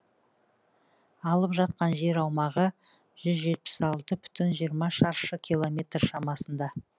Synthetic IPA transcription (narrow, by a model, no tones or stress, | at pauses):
ɑlˠəpʒɑt̪̚qɑnʒe̞ɾɑwmɑʁə | ʒ̥ʏzʒe̞t̪̚pɪ̥sɑlˠt̪əpʰʏ̥t̪ɪnʒijəɾmɑʃɑɾʃəkʲʰilˠo̞mʲe̞t̪rʃɑmɑsənd̪ɑ